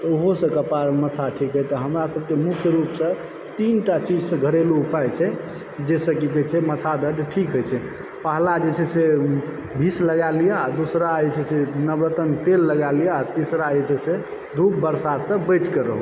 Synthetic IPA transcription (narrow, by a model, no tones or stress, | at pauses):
t̪ɔoɦosə̃kəpaɾmət̪ʰaʈʰikɦət̪ɔɦəmɾasəb̚kemukʰjəɾupsə̃ | t̪inʈat͡ʃid͡ʒsə̃ɡʱəɾeluupajt͡ʃʰɛ | d͡ʒesəkikɛt͡ʃʰɛmət̪ʰad̪əɖ̪ʈʰikɦojt͡ʃʰɛ | pəɦlad͡ʒet͡ʃʰɛse | bʱisləɡalijead̪usɾaet͡ʃʰɛsenəbɾət̪ənt̪elːəɡalijeat̪isɾad͡ʒet͡ʃʰɛse | d̪ʱup̚bəɾsad̪sə̃bət͡ʃkəɾə̰ɦu